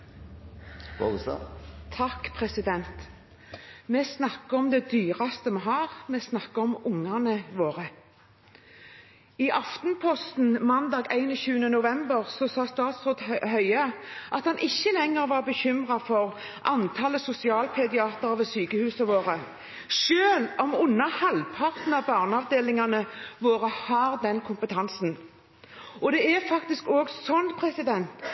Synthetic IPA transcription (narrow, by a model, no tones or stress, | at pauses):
o̰t̪ʰɑkːpʰʁɛsɪd̪ɛnt̪ | mɛːsnɑkːəɔmd̪ɛd̪yːʁɑst̪əmɛɦɑːʁmɛːsnɑkːəɔmʊŋɑnəʋoːʁə | iːʔɑft̪n̩pʰɔst̪n̩mɑnd̪ɑːɡæɪnəçʉːənənʊʋɛmbəʁsɔsɑːst̪ɑːt̪sʁoːd̪hœʏɑʔɑt̪hɑnʔɪçːəlɛŋːəʁʋɑːʁbəçʏmʁɑfɔʁ | ʔɑ̰nt̪ʰɑləsʊsɪɑːlpʰɛd̪ɪɑːt̪əʁʋɛːsyːkəhʉːsəʋoːʁə | ʃøːlɔmʊnːɑhɑlpʰɑʁt̪n̩ɑbɑːʁnɑʋd̪eːlɪŋɑnəʋoːʁəhɑːʁd̪ɛnkʰʊmpət̪ʰɑnsn̩ | ɔd̪ɛæʁfɑkt̪ɪskoːɡsɔnpʰʁɛsɪd̪ɛnt̪